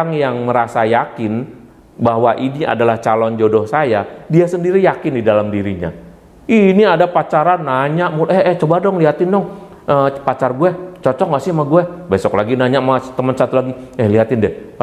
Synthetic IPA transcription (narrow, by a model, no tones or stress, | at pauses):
ŋjaŋməɾasajakɪn | baɦwaʔinia̰dalaht͡ʃalɔnd͡ʒodɔhsajadiasəndiɾijakɪndidalamdiɾiɲa̰ | iiniadapat͡ʃaɾanːaɲaʔmulʔɛɦɛht͡ʃobadɔŋliɦat̪ɪndɔŋ | əpat͡ʃarɡuɛt͡ʃɔt͡ʃɔŋɡaʔsɪhmaɡuɛbesɔklaɡinaɲaʔmast̪əmənsat̪ulaɡiɛhliɦat̪ɪndɛh